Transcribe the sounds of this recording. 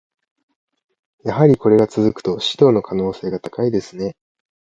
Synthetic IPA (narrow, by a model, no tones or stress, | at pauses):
jaɦaɾʲiko̞ɾe̞ɡat͡sɨzɨkɯ̥t̪o̞ɕi̥t̪o̞ːno̞kʰano̞ːse̞ːɡat̪ḁkaid̪e̞sɨne̞